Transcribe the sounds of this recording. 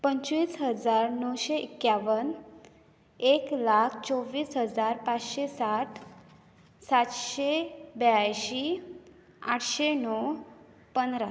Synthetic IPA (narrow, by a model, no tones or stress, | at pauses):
pəɲt͡ɕʋiːsɦəd͡zaɾnəwɕeʔikːjaʋən | eklakʰt͡sɔʋːiːsɦəd͡zaɾpat͡sɕesaʈ | sat̪ɕebjajɕi | a̰ʈʰɕenɔw | pənɾa